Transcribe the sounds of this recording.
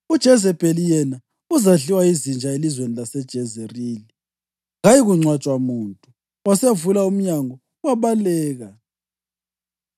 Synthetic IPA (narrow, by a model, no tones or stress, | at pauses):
ud̥ʒ̥ʱɛzɛbʼʱelijɛna | uzaɮiwaizind͡ʒʱaelizwenilasɛd̥ʒ̥ʱɛzɛriːli | ɣajiɣuŋ͡ǀwat͡ʃʼwamuːntʼu | wasevulaum̩ɲaŋɔ | waβalɛːɣa